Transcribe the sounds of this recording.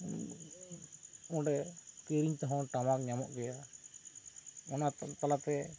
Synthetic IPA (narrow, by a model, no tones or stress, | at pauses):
ɔ̃ɖɛkeɾiɲt̪ɔɦɔ̃ʈamak̚ɲamɔ̰ʔɡɛja | ɔnatt̪alat̪ɛ